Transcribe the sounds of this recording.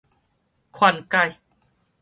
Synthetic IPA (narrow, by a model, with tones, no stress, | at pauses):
kʰwa˧˩nka˧j